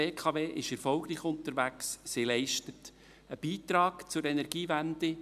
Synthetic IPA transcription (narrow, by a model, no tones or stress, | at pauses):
eːkʰɑʋeːʔɪʃɛɾfɔlɡɾiːχʊnt̪əɾʋæksːɪlɛɪʃtət | əb̥iːt̪ɾɑːɡ̥t͡sʊɾɛnɛɾɡ̥iːvænd̥̪ɪ